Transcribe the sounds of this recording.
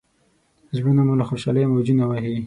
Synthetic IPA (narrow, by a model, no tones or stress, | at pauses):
zɽunamulaxoʃaləjmawd͡ʒinawahi